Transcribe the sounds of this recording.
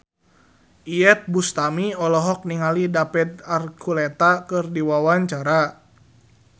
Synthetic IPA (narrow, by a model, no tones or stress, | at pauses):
ʔiɛt̪̚bust̪amiɔlɔɦɔk̚niŋalidapɛd̪̚arkʰulɛt̪akɨrdiwawaɲt͡ʃaɾa